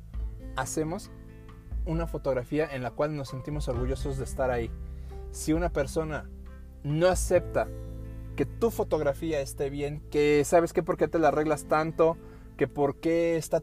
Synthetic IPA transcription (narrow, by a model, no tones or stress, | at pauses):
ase̞mo̞s | unafo̞t̪o̞ɣɾafiaʔe̞nlakwalno̞sːe̞nt̪imo̞so̞ɾɣuʝo̞so̞zðe̞ːst̪aɾaisiunape̞ɾso̞na | no̞ase̞pt̪ake̞t̪ufo̞t̪o̞ɣɾafiaest̪e̞βje̞ŋke̞saβ̞e̞skepo̞ɾket̪e̞lare̞ɣlast̪ant̪o̞ | ke̞po̞ɾke̞ːst̪a